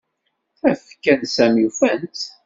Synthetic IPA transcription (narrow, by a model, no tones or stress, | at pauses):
æfkænsæmjufænt̪